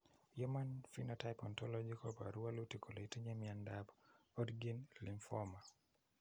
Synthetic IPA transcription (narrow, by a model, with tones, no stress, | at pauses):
jɔ˦ma˦nfi˦natajpɔ˨ntɔlɔd͡ʒiko˦pa̰˨ɾu˦a˦lu˦ti˨kʰo˨lo˨i˦ti˦ɲe˦miandapɔdɡi˦nli˨ɱfɔma˨